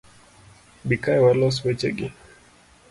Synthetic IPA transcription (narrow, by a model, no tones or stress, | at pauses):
bikajwalɔs̬wet͡ʃeɡḭ